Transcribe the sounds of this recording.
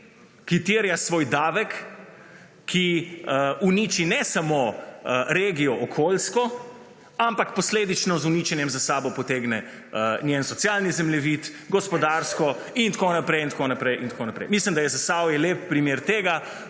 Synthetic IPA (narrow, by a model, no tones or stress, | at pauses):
kit̪eɾjasʋoːjd̪aːʋɛk | iəuniːt͡ʃinɛsamo | ɾeːɡiɔʔɔkʰoːlskɔ | ampakpɔsleːd̪it͡ʃnɔzunit͡ʃɛnjɛmzasaːbɔpɔt̪eɡnɛ | ənjensɔt̪sjalnizɛmlɛʋit̪ | ɡɔspɔd̪aɾskɔ | int̪konapɾɛjint̪konapɾɛjʔint̪koːnapɾɛ̰jmislimd̪ajɛzasawjɛleːp̚pːɾimeːɾt̪eːɡa